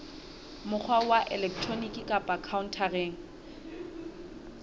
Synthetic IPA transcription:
mʊk͡xʰwawaʔɛlɛkʰtʰronikʼikʼapʼakʰaʊn̩tʰareːŋ̩

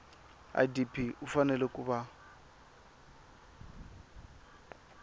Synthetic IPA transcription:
a̰dipʰʼiʔufanɛlɛkʼuba

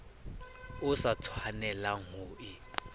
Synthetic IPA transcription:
ʊsat͡sʰwanɛlaŋʊːʔɪ

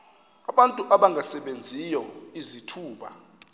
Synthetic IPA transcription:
aɓantʼuʔaɓaŋɡʱasɛɓend͡zʱijɔizitʰuːɓa̰

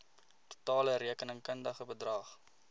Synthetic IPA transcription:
tu̥tɑːləɾiəkənəŋkəndəχəbədrɑːχ

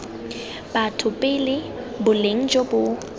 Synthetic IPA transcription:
batʰʊpʼɪlɪ | bʊleŋ̩d͡ʒobʊ

